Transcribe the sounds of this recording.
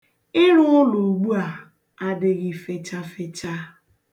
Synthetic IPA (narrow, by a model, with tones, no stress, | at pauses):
ɪ˦ɾʊ˦ʊ˦lo˨ɡ͡bu˦a˨ | a˨dɪ˨ɣɪ˨fe˨t͡ʃa˦fe˨t͡ʃa˦